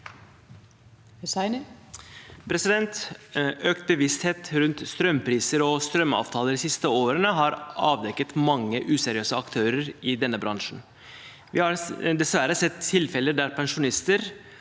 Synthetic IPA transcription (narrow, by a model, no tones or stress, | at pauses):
sn | pʰɾɛsɪd̪ɛnt̪ | øːkt̪̚bəʋɪst̪heːt̪ɾʉnt̪st̪ɾœmːpʰɾiːsəɾɔst̪ɾœmɑ̰ːʋt̪ʰɑːləɾɪsɪst̪əoːɾənəɦɑɾʔɑːʋd̪ɛkːət̪mɑŋːəʔʉːsɛɾɪøːsəɑkt̪ʰøːɾəɾɪd̪ɛnːəbɾɑŋʂn̩ | ʋɪhɑɾd̪ɛsʋæɾəsɛt̪ʰːɪlfɛləɖ̪æɾpʰɛnʂʊnɪst̪əɾ